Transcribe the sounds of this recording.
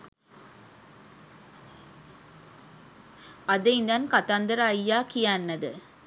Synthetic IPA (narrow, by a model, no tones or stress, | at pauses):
ɐðɐɪnd̪aːnkɐt̪aːnd̪ɐɾaːjːaːkɪjaːnːɐðɯ̰